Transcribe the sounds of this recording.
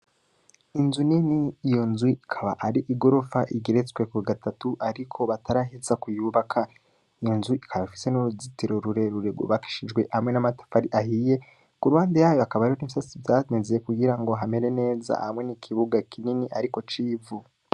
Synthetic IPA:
inzuniniːjo̞nzwiikʰaβa̰ʔaɾiʔiɡo̞ɾo̞faʔiɡeɾet͡swekuiɡatatuʔaɾikʰo̞βatʰaɾaɦizakujuːβakʰa | ijo̞nzuʔikʰaβaifi̥se̞nuɾuzitiɾo̞ɾuɾe̞ɾuɾeɡṵβaki̥ʃid͡ʒɡwe̞ʔhamŋe̞namatḁfaɾiʔahije̞ | kuɾwaːndejaːjoakaβaɾiɾoniβisasivjaːnezejekuɡiɾaŋɡoɦame̞ɾe̞ne̞ːza̰hamŋe̞nikʰiβuɡakʰininiʔaɾiko̞t͡ʃiːvu

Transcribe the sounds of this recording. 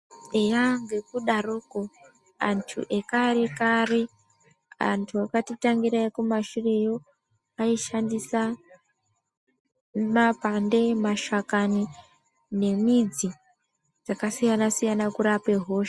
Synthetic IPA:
ejaŋɡekuɗaroːko | a̰ntʰṵʔekaɾekare | a̰ntʰuakatitaŋɡiɾaikumaʃure̞jo̞ | aiʃandisa | mapande̞maʃakani | ne̞mid͡zi | d͡zakasijanasijanakuɾape̞ɦo̞ːʃḁ

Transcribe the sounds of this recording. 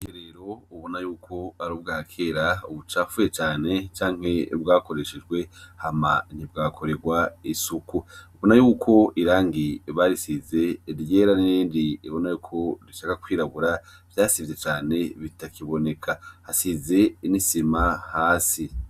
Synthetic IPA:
eɾeɾo̞uβo̞najuːkʰo̞aɾub̚ɡaːkʰeːɾauβut͡ʃaːfujet͡ʃaːne̞t͡ʃaːŋ̥he̞bɡaːko̞ɾe̞ʃed͡ʒɡwe̞haman̥hib̚ɡakʰo̞ɾe̞ɡwaisukuuβo̞najuːkʰo̞ʔiɾaːŋɡiβaɾisize̞ɾjeːɾaniiːndiiβo̞najuːkʰo̞ɾiʃakakwiːɾaβuɾa | v̥jaːsivze̞t͡ʃaːne̞βitakʰiβo̞ne̞kʰahasize̞nisimahaːsi

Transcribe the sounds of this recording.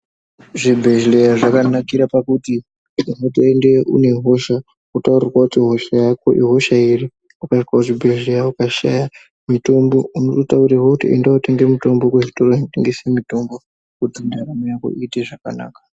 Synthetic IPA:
ʐibʱe̞ʒlejaʐakanakiɾapakuti | unotoendeʔṵne̞ɦo̞ʃa | utaurirwautiɦo̞ʃajakoʔiɦo̞ʃairi | ukawauʐibʱeʒlejaukaʃa̰ja | mito̞mbo̞unototaurirwoutiḛndaute̞ŋɡemuto̞mbo̞kuʐitoroiuteŋɡesemito̞mbo̞ | kutimaramojako̰ʔiːteʐaka̰na̰ːkḁ

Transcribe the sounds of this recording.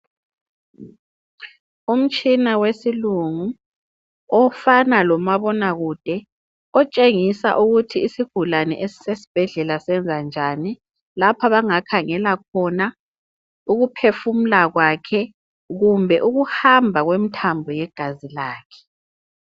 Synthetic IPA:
um̩t͡ʃʼinawesiluŋu | ɔfanalɔmaβɔnaɣud̥ʱɛ | ɔt͡ʃʼeŋisa̰ʔuɣutʰiːsiɡ̥ʱulanɛ̰ʔesi̥sesi̥b̥ʱɛɮɛlasɛnd͡zʱand͡ʒʱani | lapʰaβaŋakʰaŋɛlakʰɔna | uɣupʰefum̩laɣwakʰɛ | ɣumbʱɛʔuɣuhambʱaɣwemitʰambʱɔjɛɡ̥ʱazilaːkʰɛ̥

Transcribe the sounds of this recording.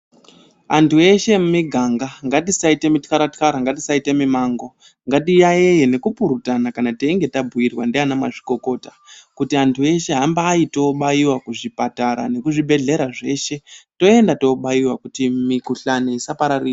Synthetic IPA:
antue̞ʃe̞mumiɡʱaŋɡaŋɡatisaite̞mitkaɾatkaɾaŋɡatisaite̞mimaːŋɡo | ŋɡatijae̞je̞ne̞kupuɾutanakanateiŋɡe̞tabʱuirwandeanamaʐiko̞ko̞ːtakutiantʰue̞ʃe̞ɦambaːito̞ɓaiwakuʐipataɾa̰ne̞kuʐibʱe̞ɮe̞ɾaʐe̞ːʃe̞to̞e̞ndato̞ɓaiwakutimikuɬaneisapaɾari

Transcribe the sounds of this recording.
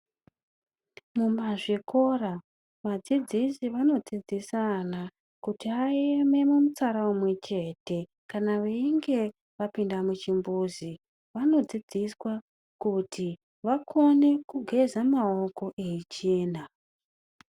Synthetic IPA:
mumaʐiko̞ra | ʋad͡zid͡zisiʋano̞d͡zid͡zisana | kutiaeme̞mumut͡saɾaumwe̞t͡ʃe̞te̞ | kanaʋeiŋɡe̞ | ʋapindamut͡ʃimbuzi | ʋano̞d͡zid͡ziswa | kutʰi | ʋakʰo̞ne̞kuɡʱe̞zamaoko̞ʔeit͡ʃeːna

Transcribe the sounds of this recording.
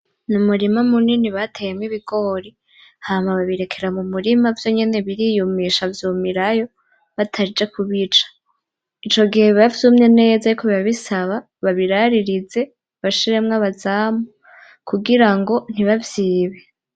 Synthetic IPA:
numuɾimamuniniβatʰejemwiβiɡo̞ɾi | haːmaβaβiɾe̞kʰe̞ɾamumuɾimavjo̞ɲe̞ne̞βiɾijumiʃavjuːmiɾajo̞ | βatʰaɾid͡ʒe̞kʰuβit͡ʃḁ | it͡ʃo̞ɡihe̞ββavzumɲe̞ne̞ːzajukʰoβiβaβisaβa | βaβiɾaɾiɾize̞ | βaʃiɾe̞mŋaβazaːmo | kuɡiɾaŋɡo̞n̥iβavjiːβe̞

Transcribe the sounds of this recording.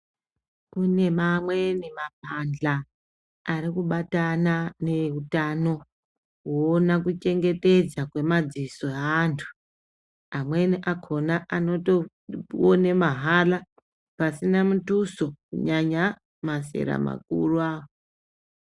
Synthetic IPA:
une̞mamwe̞nemap̚and͡ɮaː | ɾikuɓatanane̞utano̞ | woːnak̬ut͡ʃe̞ŋɡe̞te̞d͡zakwe̞mad͡ziso̞aːntʰu̥ | amwe̞niʔakʰo̞naʔano̞to | onemaɦala | pasinamutuso̞kṵɲaɲa | mase̞̰ɾa̰ma̰k̚ṵruaːwo

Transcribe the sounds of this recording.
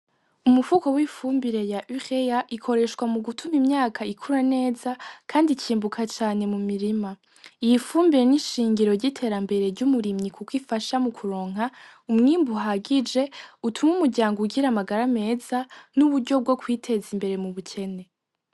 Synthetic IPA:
umuvuko̞wifuːmbiɾe̞jaʔyʁe̞jaʔikʰo̞ɾe̞ʃkwamuɡutʰumimɲaːkʰaikʰuɾane̞ːzakʰaːndiciːmbukʰat͡ʃaːne̞mumiɾima | ijifuːmbiɾe̞niʃiːŋɡiɾo̞ɾɟitʰe̞ːɾambe̞ɾe̞ɾɟumuɾimɲikʰukwiːfaʃamukʰuɾo̞ːŋ̥a | umŋiːmbuɦaɡid͡ʒe̞utʰumumuɾɟaːŋɡoɡiɾamaɡaɾame̞ːzanuβuɾɟo̞b̚ɡo̞kwiːtʰe̞zimbe̞ɾe̞muβucʰe̞ne̞

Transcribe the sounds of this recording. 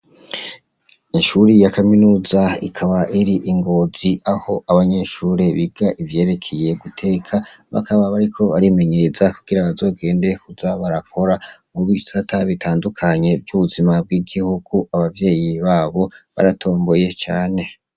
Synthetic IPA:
inʃuɾijakaminuːzaikʰaβaʔiɾiʔiŋɡo̞ːziʔaho̞ʔaβaɲe̞ʃuːɾe̞βiɡaʔivje̞ːɾe̞kʰeje̞ɡutʰe̞ːkʰaβa̰kaβaβaɾikʰo̞βaɾime̞ɲe̞ɾezakuɡ̥iɾaβazo̞ːɡe̞ːnde̞kuzaβaɾakʰo̞ɾamuβiisatʰaβitʰaːndukʰaɲe̞bjuβuzimab̚ɡiɡihuɡ̥uaβavje̞ːjiβaːβo̞βa̰ɾatʰo̞ːmbo̞je̞t͡ʃaːne̞

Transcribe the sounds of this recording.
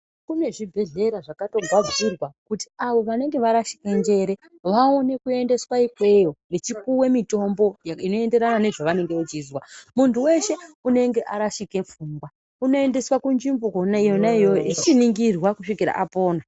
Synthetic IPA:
kune̞ʐibʱe̞ɮe̞ɾaʐakato̞ɡʱab͡virwakuti̥aʋo̞ʋane̞ŋɡe̞ʋaɾaʃi̥ke̞nd͡ʒe̞ɾe̞ | ʋaone̞kue̞nde̞swaikwe̞jo̞net͡ʃik̚uwe̞mito̞mbo̞jaino̞e̞nde̞ɾanane̞ʐoʋane̞ŋɡeut͡ʃiːzwamuntuwe̞ʃe̞une̞ŋɡe̞ʔaɾaʃike̞fuŋɡwa | uno̞e̞nde̞swakund͡ʒimbukonaijonaijoit͡ʃiniŋɡirwakuʂikiɾa̰ʔapo̞ːna

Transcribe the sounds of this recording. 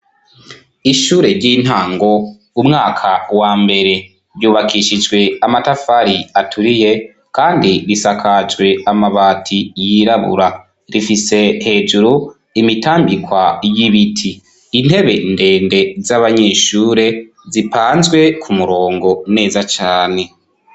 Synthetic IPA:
iʃuːɾe̞ɾɟiːn̥haːŋɡo̞ | umŋaːkʰawaːmbe̞ɾe̞ | ɾjuːβakiʃid͡ʒɡwe̞amatafaɾiatʰuɾije̞ | kaːndiɾisakʰad͡ʒwe̞amaβaːtʰijiɾaβṵɾa | ɾifise̞he̞ːd͡ʒuɾu | imitaːmbikwajiβitʰiː | n̥he̞βe̞nde̞ːnde̞zaβaɲeːʃuːɾe̞ | zipaːnzɡwe̞kʰumuɾo̞ːŋɡo̞ne̞ːzat͡ʃaːne̞

